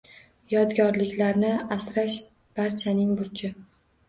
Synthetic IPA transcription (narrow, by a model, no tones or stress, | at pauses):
jɒd̪ɡʲɒɾlɪkʲʰlaɾnɪasɾaʃ | b̥aɾt͡ʃʰanɪŋbʊɾt͡ʃʰɪ